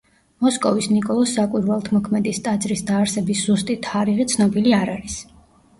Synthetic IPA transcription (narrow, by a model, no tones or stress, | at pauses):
mɔskʼɔvisnikʼɔlˠɔsːakʼwiɾvɛlˠt̪ʰmɔkʰmɛd̪ist̪ʼat̪sʼɾisd̪aːɾsɛbisz̥ust̪ʼit̪ʰːaɾiʁit̪sʰnɔbiliaɾaɾis